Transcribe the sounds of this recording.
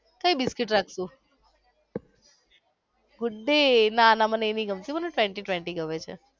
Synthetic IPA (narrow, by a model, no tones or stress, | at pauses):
kaibɪskɪʈɾakʰsũ | ɡʊɖːenaːnaməneeniɡəmt̪iməneʈʋɛ̃ɳʈiʈʋɛ̃ɳʈiɡəʋet͡ʃʰḛ